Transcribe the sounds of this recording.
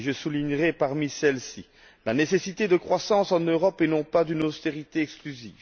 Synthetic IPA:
ʒəsuliɲʁɛpaʁmisɛlsi | lanesesit̪ed̪əkχwasɑ̃sɑ̃nøʁɔpɛnɔ̃pad̪ynost̪eʁit̪eɛksklyzḭːv

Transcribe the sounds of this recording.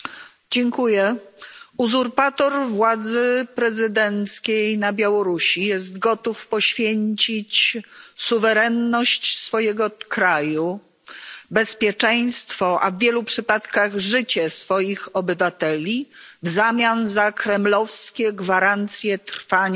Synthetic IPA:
d͡ʑɛŋkujɛ | uzuɾpat̪ɔɾvwad̪zɘpɾɛzɘd̪ɛnt̪skʲejnabʲjawɔɾuɕijɛst̪ɡɔt̪ufpɔɕfʲjeɲt͡ɕit͡ɕsuvɛɾɛnːɔɕt͡ɕsfɔjɛɡɔkɾaju | bɛspʲjɛt͡ʂɛ̃j̃st̪fɔʔa̰vːʲjɛlupʂɘpat̪kaɣʐɘt͡ɕɛsfɔjixɔbɘvat̪ɛlʲivzamʲjanzakɾɛmlɔfskʲɛɡvaɾant̪sʲjɛt̪ɾfaɲa

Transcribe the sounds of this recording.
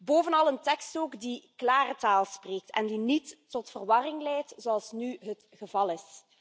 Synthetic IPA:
boːvənɑlˠəntɛkstoːkdiklaːrətaːlˠspreːk̚tɛ̰ndinitː | ɔtfərʋɑrɪŋlɛjtzoɑlˠsnyɦət | ɣəvɑlˠɪs

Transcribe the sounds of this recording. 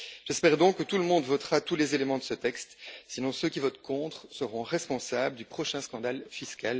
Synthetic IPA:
ʒ̥ɛspɛʁd̪ɔ̃kːət̪uləmɔ̃d̪vɔt̪χat̪ulezelemɑ̃d̪əsət̪ɛkst̪sinɔ̃søkʲivɔt̪kʰɔ̃t̪χsəʁɔ̃ʁɛspɔ̃sabləd̪ypχɔʃɛ̃skɑ̃d̪alfiskal

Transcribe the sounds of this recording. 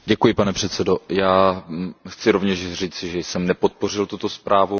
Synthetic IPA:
ɟɛkujɪpanɛpr̝̥ɛt̪t͡sɛdo̞jaː | xt͡sɪɾovɲɛʃriːt͡sɪʒɛjsɛmnɛpo̞t̪̚po̞r̝ɪlt̪ut̪o̞spɾʔaːvu

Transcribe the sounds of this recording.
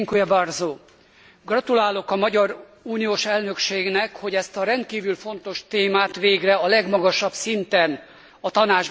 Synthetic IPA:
ŋkujɛbɒrzoː | ɡrɒt̪ulaːlo̞kɒmɒɟɒɾ | uːnijoːʃɛlnø̞kʃeːɡnɛkho̞ɟɛst̪ɒɾɛnt̪̚kiːvylfo̞nt̪o̞ʃt̪eːmaːt̪ʋeːɡrɛɒlɛɡmɒɡɒʃɒbsint̪ɛn | ɒt̪ɒnaːd͡ʒ

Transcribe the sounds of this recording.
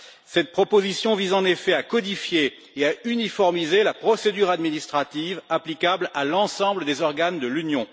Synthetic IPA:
sɛt̪̚pχɔpozisjɔ̃vizɑ̃nefɛakɔd̪ifjeː | aynifɔʁmizelapχɔsed̪yʁad̪minist̪χat̪ivaplikablalɑ̃sɑ̃bləd̪ezɔʁɡand̪əlynjɔ̃

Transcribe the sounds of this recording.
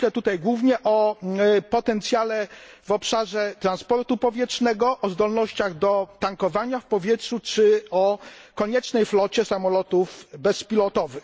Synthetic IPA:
lɛt̪ut̪ajɡwuvɲɛʔɔ | pɔt̪ɛnt̪sʲjalɛ | vɔpʂaʐɛt̪ɾanspɔɾt̪upɔvʲjɛtʂnɛɡɔʔɔzd̪ɔlnɔɕt͡ɕaɣd̪ɔt̪aŋkɔvaɲafpɔvʲjɛtʂut͡ʂɘɔkɔɲɛt͡ʂnɛjflɔt͡ɕɛsamɔlɔt̪uvbɛspʲilɔt̪ɔvɘx

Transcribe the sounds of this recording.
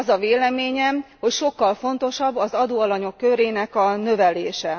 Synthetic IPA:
zɒveːlɛmeːɲɛmho̞cʃo̞kːɒlfo̞nt̪o̞ʃɒbːɒzɒd̪oːɒlɒɲo̞kːøɾeːnɛkɒnø̞vɛleːʃɛ

